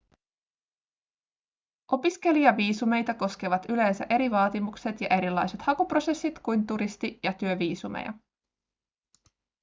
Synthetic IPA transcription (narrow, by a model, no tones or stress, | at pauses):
ʔo̞piske̞liɑʋiːsume̞jt̪ɑko̞skeʋɑt̪yle̞ːnsæ̰ʔe̞ɾiʋɑːt̪imukse̞t̪jɑʔe̞ɾilːɑjse̞t̪hɑkupro̞se̞sːit̪kujnt̪uɾist̪ijɑt̪yøʋiːsumḛjɑ̰